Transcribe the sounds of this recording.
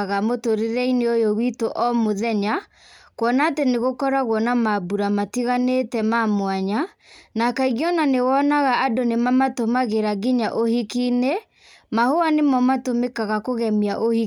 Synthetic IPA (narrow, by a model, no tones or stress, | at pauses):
ɣamotoɾeɾɛineojowitoʔɔmoðɛɲa | kwɔnaːteneɣokɔɾaɣwɔnamabuɾamatiɣanetɛmamwaɲa | nakaiɣjɔnanewɔnaɣaːdonemamatomaɣeɾaɡiɲaʔohikine | mahoanemɔmatomekaɣakoɣɛmiaʔohi